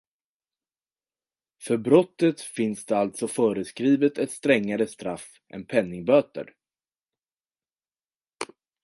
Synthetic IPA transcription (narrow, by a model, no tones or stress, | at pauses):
fœɾbɾɔt̪ːət̪fɪnsd̪ɛalt̪sɔfœːɾəskɾiːvət̪ɛt̪st̪ɾɛŋːaɾəst̪ɾaf | ʔɛ̰npʰɛnːɪŋbøːt̪ə̰ɾ